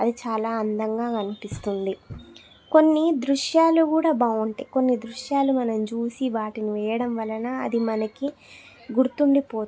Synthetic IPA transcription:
ɐd̪it͡ʃaːlaːɐnd̪ɐŋɡaːkɐnipist̪und̪i | ko̞nːid̪ɾuʂjaːlukuːɽaːbaːʋuɳʈḛːko̞nːid̪ɾuʂjaːlumɐnɐmt͡ʃuːsiʋaːʈiniʋɛːjɐɽɐmʋɐlɐnɐɐd̪imɐnɐki | ɡuɾt̪uɳɖipoː

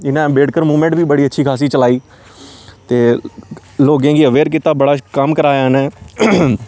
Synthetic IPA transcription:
ɪnãːbeːɽkəɾmuːmɛ̃ɳʈbiːbəɽiːətːʃʰiːkʰaːs̬iːt͡ʃəlaːiː | t̪eː | loːɡẽːɡiːəʋeːɾk̬it̪aːbəɽaːkəmkəɾaːjaːnɛː

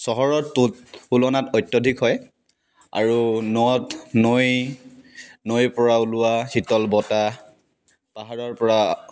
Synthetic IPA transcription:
sɔɦɔɹɔtutulɔnatɔjtːjɔdʱikɦɔj | a̰ɹunɔtnoj | nojpɔɹaulʊwahitɔlbɔta | paɦaɹɔɹpɔɹa

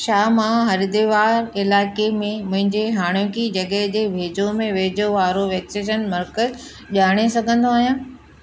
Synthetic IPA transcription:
ʃaːmãɦɐɾid̪eʋaːɾɪlaːkemẽmʊ̃ɦɪ̃ɲd͡ʑeɦaːɽ̃jõkid͡ʑɐɠəɦd͡ʑeːbʱeːd͡ʑomẽʋeːd͡ʑoʋaːɾoʋɛːksed͡ʑənmɐɾkəz | ʄaːɽ̃esɐɡʱə̃nd̪oaːɦijãː

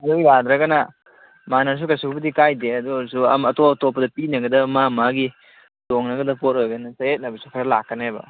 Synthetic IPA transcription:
ɐdojad̪ɾɐɡɐnɐ | manɐɾs̬ukɐsukubɐdikajdeɐduɐɾsuɐmɐtoɐtopːɐdɐpinɐɡɐdɐmamaɡi | toŋnɐɡɐdɐpot̚ojɡɐnɐsɐet̚nɐbɐsukʰɐɾɐlakːɐnajbɐ̰

